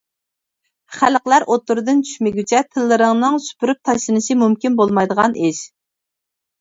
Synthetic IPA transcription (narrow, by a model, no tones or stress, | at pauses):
χæləqlˠæɾʔot̪ːuɾɨd̪ɨnt͡ʃʰy̥ʃmɪɡʲyt͡ʃʰɛtʰɨlːɨɾɨŋnɨŋsy̥pʰyɾyp̚t̪ʰɑʃlˠɨnɨʃimumkʲinbolˠmɑjd̪əʁɑneʃ